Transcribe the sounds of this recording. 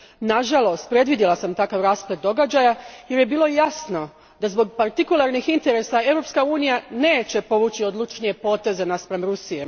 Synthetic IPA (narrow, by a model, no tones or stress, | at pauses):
naʒalˠo̞st̪̚pɾe̞d̪ʋid̪jilasamt̪akaʋɾaːspled̪̚d̪o̞ɡad͡ʑajaje̞ɾje̞biːlo̞jasno̞ | d̪azbo̞ɡpaɾt̪ikulˠaɾnixint̪e̞ɾe̞sae̞ʋɾopskauːnijane̞ːt͡ɕe̞po̞ʋut͡ɕiod̪lˠut͡ʃnije̞po̞ːt̪e̞zenaspɾemɾusije